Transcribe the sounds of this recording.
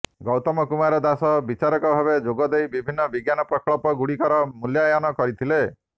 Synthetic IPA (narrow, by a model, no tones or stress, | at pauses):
ɡɔwt̪ɔmɔkumaɾɔd̪asɔbit͡ʃaɾɔkɔbʱabed͡ʒoɡɔd̪ejbibʱinːɔbiɡjanɔpɾɔkɭɔpɔɡuɽikɔɾɔmuljajɔnɔkɔɾit̪ʰile